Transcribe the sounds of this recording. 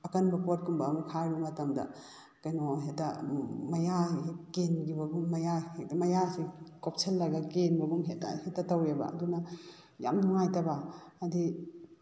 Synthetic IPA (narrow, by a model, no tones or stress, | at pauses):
ɐkɐnbɐpot̚kumbɐːmukʰajɾumɐtɐmdɐ̰ | kɐjnoɦetɐmɐjakenɡibɐɡumːɐjaemɐjasikop̚sʰelːɐɡɐkenbɐɡumɦeta̰hetːɐtɐwebɐ̰ɐ̰dunɐ | ja̰mduŋajtɐbɐːdi